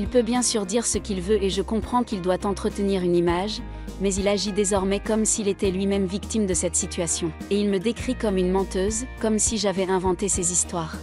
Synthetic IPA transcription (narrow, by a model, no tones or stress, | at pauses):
ilpøbjɛ̃syʁd̪iʁsəkʲilvøʔeʒəkɔ̃pχɑ̃kʲild̪wat̪ɑ̃t̪χət̪əniʁynimaʒ | mɛzilaʒid̪ezɔʁmɛkɔmsilet̪ɛlɥimɛmvikt̪imd̪əsɛt̪sit̪ɥasjɔ̃eilməd̪ekχikɔmynmɑ̃t̪øzkɔmsiʒavɛɛ̃vɑ̃t̪esezist̪waːʁ